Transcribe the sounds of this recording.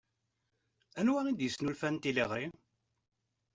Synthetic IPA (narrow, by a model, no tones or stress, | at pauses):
ænwænid̪jəsːnulfænt̪ileʁɾi